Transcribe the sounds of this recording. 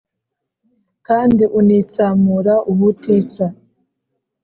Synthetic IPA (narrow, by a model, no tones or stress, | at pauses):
kaːndiʔunit͡saːmuɾaʔuβutiːt͡sa